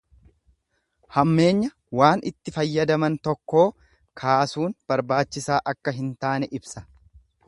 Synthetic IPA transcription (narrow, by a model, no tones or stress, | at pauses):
hɐmːe̞ːɲːɐ | waːnɪt̪ːɪfɐjːɐd̪ɐmɐnt̪ɔkːo̞ː | kʰaːsuːnb̥ɐɾbaːt͡ʃːɪsaːʔɐkːɐɦɪnt̪aːnɛʔɪbsɐ̥